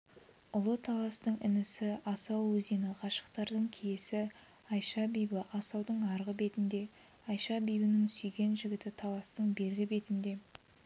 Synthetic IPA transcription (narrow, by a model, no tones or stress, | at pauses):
ʊlˠət̪ʰɑlˠɑst̪əɴɪ̰nɪsɪɑsɑwːɵzenɪqʰɑʃə̥qt̪ɑɾd̪əɴkʲʰejesɪ | ɑjʃɑbijbəʔɑsɑwd̪əɴɑɾʁəbe̞t̪ɪnd̪e̞ | ɑjʃɑbijbɪnɪŋsyjɡʲe̞nʒɪɡʲɪt̪ɪt̪ʰɑlˠɑst̪əɴbe̞ɾɡʲɪbe̞t̪ɪnd̪e̞